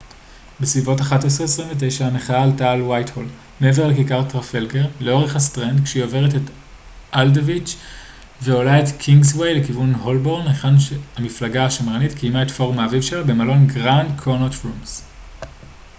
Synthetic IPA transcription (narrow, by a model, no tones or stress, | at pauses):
besvivo̞taχates̬ʁees̬ʁimvet̬e̞jʃaneχaːltaːlwajtho̞l | meeve̞ʁlekikaʁtʁafelɡeʁle̞o̞ʁe̞χhastʁendkʃeiove̞ʁetet | ʔaldovit͡ʃ | ve̞o̞lae̞tkʰiŋɡswejle̞kivunho̞lbo̞ʁneχanʃeamiflaɡaaʃamʁanitkʰijmae̞tfo̞ʁmaːvivʃelabe̞malo̞nɡʁandkʰonotfums